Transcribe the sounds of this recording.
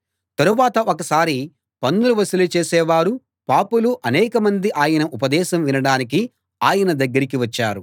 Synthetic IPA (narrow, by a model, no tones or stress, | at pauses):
t̪ɐɾuʋaːt̪ɐʔokɐsaːɾi | pɐnːuluʋɐsɐlut͡ʃeːsɛːʋaːɾu | paːpuluʔɐnɛːkɐmɐnd̪iʔaːjɐnɐʔupɐd̪ɛːʃɐmʋinɐɽaːnik̬i | aːjɐnɐd̪ɐɡːɐɾik̬iʋɐt͡ʃːaːɾu